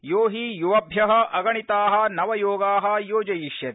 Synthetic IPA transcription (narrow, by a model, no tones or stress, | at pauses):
joːɦijuʋɐbʱjɐɦɐʔɐɡɐɳit̪aːɦɐ̆nɐʋɐjoːɡaːɦɐ̆joːd͡ʒɐjiʃjɐt̪e